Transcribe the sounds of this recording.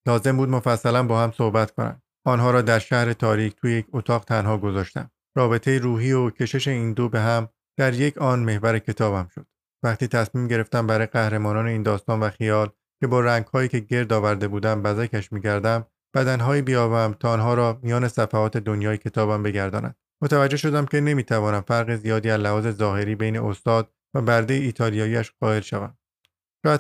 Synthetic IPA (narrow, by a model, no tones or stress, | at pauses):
lɒːze̞mbuːd̪mo̞fæsːælænbɒːhæmso̞hbæt̪kʰo̞næ̰md̪ | ɒːnɦɒːɾɒːd̪æɾʃæhɾe̞t̪ʰɒːɾiːcʰt̪ʰujejecʰot̪ʰɒːɣt̪ʰænɦɒːɡo̞zɒːʃt̪æ̰m | ɾɒːbe̞t̪ʰe̞jeɾuːɦiːocʲʰe̞ʃe̞ʃeiːnd̪obe̞ɦæm | d̪̥æɾje̞cʰɒːnme̞hvæɾe̞cʰe̞t̪ʰɒːbæmʃod̪̥ | væχt̪iːt̪ʰæsmiːmɟe̞ɾeft̪æmbæɾɒːjeɡæhɾe̞mɒːnɒːne̞iːnd̪ɒːst̪ɒːnvæxijɒːl | cʲʰe̞bɒːɾæŋɡhɒːjiːce̞ɟe̞ɾd̪ɒːvæɾd̪e̞buːd̪æmbæzækʰæʃmiːɟæɾd̪æm | b̥æd̪ænɦɒːiːbijɒːbæmt̪ʰɒːnɦɒːɾɒːmijɒːne̞sæfæɒːt̪ʰe̞d̪onjɒːjecʰe̞t̪ʰɒːbæmbe̞ɡæɾd̪ɒ̰ːnæ̰nd̪̥mot̪ʰævæd͡ʒːe̞ʃo̞d̪æmcʲʰe̞ne̞miːt̪ʰævɒːnæmfæɾɣezijɒːd̪iːæzlævɒːze̞zɒːɦe̞ɾiːbejne̞̰ost̪ɒːd̪̥ | væbæɾd̪e̞jeiːt̪ʰɒːlijɒːjiːæʃɢ̥ɒːe̞lʃævæm | ʃɔːæ